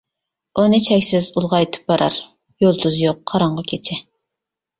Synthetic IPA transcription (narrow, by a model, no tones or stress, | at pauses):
onɨt͡ʃʰɛkʲsɪzulˠʁɑjt̪ʰɨ̥p̚bɑɾɑ̰ɾ | jolˠd̪uzjoqʰːɑɾɑɴʁɑkʲʰet͡ʃʰɪ